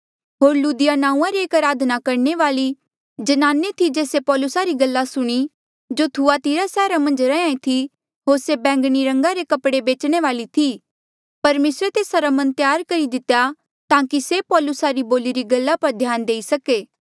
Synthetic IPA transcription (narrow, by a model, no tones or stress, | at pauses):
ɦoːɾluːd̪ɪjanãːũːãɾieːkɐɾaːd̪ʱnakɐɾɳeʋaːli | d͡ʒɐnaːnet̪ʰid͡ʒeːsepɔːlʊsaɾiɡɐlːasʊɽ̃i | d͡ʒot̪ʰuat̪iːɾasɛːɾamɐ̃nd͡ʒɾɛ̃ãːĩt̪ʰi | ɦoːɾsebɛ̃ːŋɡɽ̃iɾɐ̃ŋɡaɾekɐpɽebeːt͡ʃɽ̃eʋaːlit̪ʰi | pɐɾmeːsɾet̪eːsaɾamɐ̃nt̪jaːɾkɐɾid̪ɪt̪ja | t̪ãːkisepɔːlʊsaɾiboːliɾiɡɐlːapɐɾd̪ʱjaːnd̪eːisɐkeː